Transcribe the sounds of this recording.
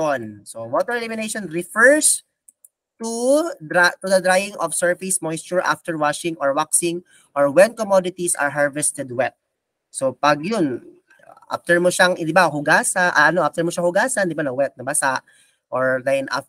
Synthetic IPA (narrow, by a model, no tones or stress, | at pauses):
jonsowoːt̪ɛɹɛlɪmɪnejʃɔnɹɪfɛɹs | t̪ud̪ɾat̪ʊd̪ɐd̪ɾajɪŋʔɔfsɛɹfɪsmojst͡ʃʊɹʔa̰ft̪ɛɹwaʃɪŋʔɔɹwaksɪŋ | ʔɔɹwɛnkɔmod̪ɪt̪isʔɐ̰ɹɦaɹvɛst̪ɛd̪wɛt̪̚ | sopɐɡjʊn | ʔa̰ft̪ɛɹmoʃaŋd̪ɪbaɦʊɡaːsaʔɐʔɐnoʔaft̪ɛɹmɔʃahʊɡaːsɐnd̪ɪbanɐwɛt̪̚nɐbɐsaʔ | ʔoɹlajnʔa̰